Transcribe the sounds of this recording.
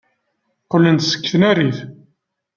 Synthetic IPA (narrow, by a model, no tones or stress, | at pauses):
qəlːənt̪sə̥kːθənæɾiθ